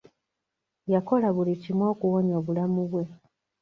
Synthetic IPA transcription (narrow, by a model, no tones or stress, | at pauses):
jako̞laβulitimwo̞ːkuwoɲo̞ːβulamuβwe̞